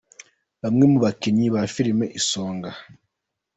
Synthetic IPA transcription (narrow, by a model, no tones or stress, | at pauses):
βamŋe̞muβakeɲiβafiɾimeʔisoːŋɡa